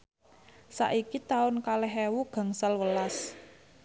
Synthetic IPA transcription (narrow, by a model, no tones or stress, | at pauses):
sa̰ʔikit̪aʊnkalɛɦɛwuɡ̥ä̤ŋsalwəlas